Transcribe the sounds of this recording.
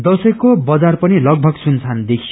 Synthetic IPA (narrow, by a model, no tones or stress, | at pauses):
d̪ʌsʌjkobʌd͡zarpʌnilʌɡ̚bʱʌɡsunt͡sʰand̪ekʰi